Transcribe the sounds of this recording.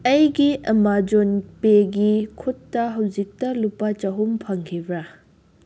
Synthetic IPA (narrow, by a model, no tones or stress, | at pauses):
ɐjɡiʔɐmad͡ʒonpeɡikʰutːɐɦɐwd͡ʒik̚tɐlupːɐt͡ʃɐɦumpʰɐŋkʰibɾɐ